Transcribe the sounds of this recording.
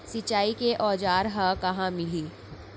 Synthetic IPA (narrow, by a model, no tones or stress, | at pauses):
sɪt͡ʃaːikeʔɔːd͡ʒaːɾɦɐkɐɦãmɪliː